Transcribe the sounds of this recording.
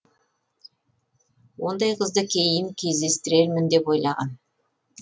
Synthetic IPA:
wo̞nd̪ɑjqʰəzd̪əkʲʰe̞jɪmkʲʰe̞zd̪e̞st̪ɪɾe̞ɾmɪnd̪e̞pwo̞jlˠɑʁɑ̰n

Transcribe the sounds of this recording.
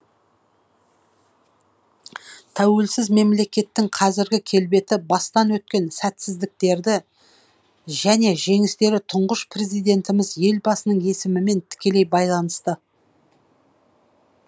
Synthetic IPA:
t̪ʰæwe̞lsɪzme̞mle̞kʲe̞t̪ːɪŋqʰɑzɪɾɡʲɪkʲʰe̞lbe̞t̪ɪbɑst̪ɑnwɵt̪̚kʲe̞nsæt̪sɪzd̪ɪk̚t̪e̞ɾd̪ɪ | ʒæne̞ʒe̞ŋɪst̪e̞ɾɪt̪ʰʊɴʁəʃpre̞zijd̪e̞nt̪ɪmɪzje̞lbɑsənəɴe̞sɪmɪme̞nt̪ʰɪ̥kʲe̞le̞jbɑjlˠɑnəst̪ə

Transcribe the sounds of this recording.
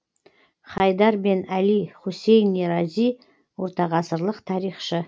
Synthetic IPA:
χɑjd̪ɑɾbe̞nælijχose̞jnːeɾɑzij | wo̞ɾt̪ɑʁɑsəɾlˠəqt̪ʰɑɾijχʃə

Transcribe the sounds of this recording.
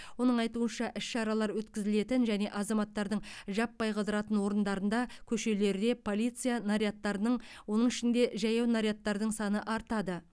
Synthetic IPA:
wo̞nəɴɑjt̪uənʃɑʔɪsʃɑɾɑlˠɑɾwɵt̪kʲɪzɪle̞t̪ɪnʒæne̞ʔɑzɑmɑt̪ːɑɾd̪əɴʒɑpːɑjqʰəd̪əɾɑt̪ənwo̞ɾənd̪ɑɾənd̪ɑkʲʰɵʃe̞le̞ɾd̪e̞pʰo̞lˠijt̪sɨjanaɾijat̪ːɑɾənəɴwo̞nəɴɪʃɪnd̪e̞ʒɑjɑwnaɾijat̪ːɑɾd̪əɴsɑnəʔɑɾt̪ɑd̪ə

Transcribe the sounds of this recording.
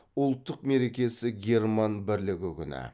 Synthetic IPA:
ʊlˠt̪ːəqme̞ɾe̞kʲe̞sɪɡʲe̞ɾmɑnbɪɾlɪɡʲɪkʲʰʏnɪ̰

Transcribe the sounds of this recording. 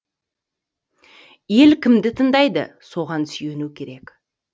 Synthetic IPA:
je̞lkʲʰɪmd̪ɪt̪ʰənd̪ɑjd̪ə̰so̞ʁɑnsʏje̞nukʲʰe̞ɾe̞k

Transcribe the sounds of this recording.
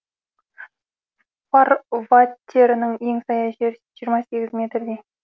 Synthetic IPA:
farvat̪ʲːe̞ɾɪnəŋe̞ŋsɑjɑʒeɾʒiəɾmɑse̞ɡʲɪzmʲe̞t̪ɾd̪e

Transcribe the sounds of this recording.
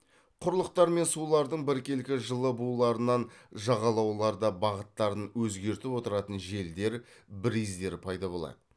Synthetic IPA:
qʰʊɾlˠəq̚t̪ɑɾme̞nsulˠɑɾd̪əɴbɪɾkʲe̞lkʲɪʒəlˠəbulˠɑɾənɑnʒɑʁɑlˠɑwlˠɑɾd̪ɑbɑʁət̪ːɑɾənwɵzɡʲe̞ɾt̪ɪpwo̞t̪əɾɑt̪ənʒe̞ld̪e̞ɾ | bɪɾizd̪e̞ɾɪpʰɑjd̪ɑbo̞lˠɑ̰d̪ə

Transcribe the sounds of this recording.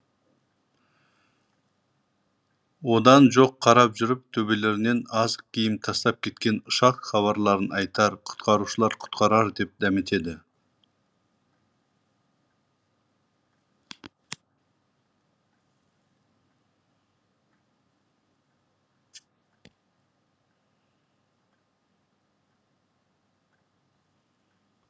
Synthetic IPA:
wo̞d̪ɑnʒo̞qʰːɑɾɑpʒʏɾɪp̚t̪ʰɵbe̞le̞ɾne̞nɑzq̚kʲʰijɪmt̪ʰɑst̪ɑp̚kʲʰe̞t̪kʲe̞nʊʃɑqχɑβɑɾlˠɑɾənɑjt̪ɑɾqʰʊ̥t̪qɑɾuʃəlˠɑɾqʰʊ̥t̪qɑɾɑɾd̪e̞p̚d̪æmɪt̪e̞d̪ɪ

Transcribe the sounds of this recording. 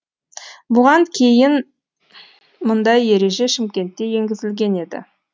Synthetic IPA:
bʊʁɑŋkʲʰe̞jɪn | mʊnd̪ɑje̞ɾe̞ʒe̞ʃɪmkʲe̞nt̪ːe̞je̞ŋɡʲɪzɪlɡʲe̞ne̞d̪ɪ̰

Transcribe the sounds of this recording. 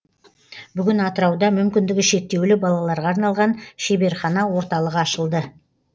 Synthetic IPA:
bʏɡʲɪnɑt̪əɾɑwd̪ɑmʏmkʲɪnd̪ɪɡʲɪʃe̞t̪ːe̞wlɪbɑlˠɑlˠɑɾʁɑːɾnɑlˠʁɑnʃebe̞ɾχɑnɑwo̞ɾt̪ɑlˠəʁɑʃəlˠd̪ə

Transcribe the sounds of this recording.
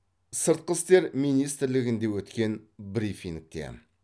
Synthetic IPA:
səɾt̪̚qəst̪e̞ɾmijnijst̪ɪɾlɪɡʲɪnd̪e̞wɵt̪kʲe̞nbɾifiŋk̚t̪e̞̰

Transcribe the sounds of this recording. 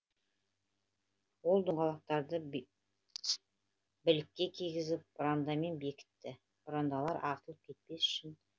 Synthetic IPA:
wo̞lˠd̪əɴʁɑlˠɑq̚t̪ɑɾd̪ə | bɪlɪkʲːe̞kʲʰijɡʲɪzɪp̚bɾand̪ɑme̞nbe̞kʲɪ̥t̪ːɪ | b̥ɾand̪ɑlˠɑɾʔɑɾt̪əlˠəp̚kʲʰe̞t̪̚pe̞sʏ̥ʃɪn

